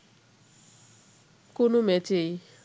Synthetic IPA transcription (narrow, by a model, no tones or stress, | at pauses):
konomɛt͡ʃej